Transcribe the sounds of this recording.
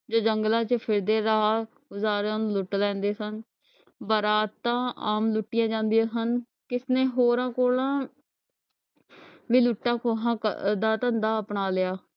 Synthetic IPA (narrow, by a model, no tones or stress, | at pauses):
d͡ʒoːd͡ʒəŋɡlãːt͡ʃəpʰɪɾd̪eːɾəɦaː | ɡʊzaːɾẽnuːlʊʈlɛ̃ːnd̪eːsən | bəɾaːt̪tːãːaːmlʊʈːɪjãːd͡ʒãːnd̪ijãːsən | kɪsnẽːɦoːɾãːkoːlãː | ʋiːlʊʈːãːkoːɦãːə̰d̪aːt̪ənd̪aːəpɳaːlɪjaː